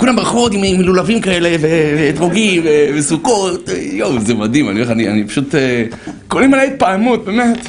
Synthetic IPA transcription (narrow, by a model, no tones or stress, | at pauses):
kulambʁaχotimmilulavimkaele̞veveːtʁoɡimvevesuko̞t̪jozemad̪imanileχania̰nipḁʃut̪ekolimalajit̪̚paamut̪̚bemet̪